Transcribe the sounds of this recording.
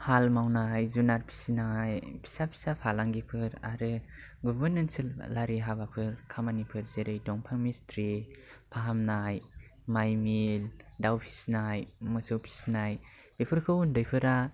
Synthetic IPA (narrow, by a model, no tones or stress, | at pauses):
halmawnajzunaɾpʰi̥sinajpʰi̥sapʰi̥sapʰalaŋɡipʰɯɾa̰ɾɯ | ɡubɯɾnɯnsɯllaɾiɦabapʰɯɾkʰamanipʰɯɾzeɾɯjdɔŋpʰaŋmistʰɾipʰaɦamnajmajmildawpʰi̥snajmɯsɯwpʰi̥snaj | bepʰɯɾkʰɯwundɯjpʰɯɾa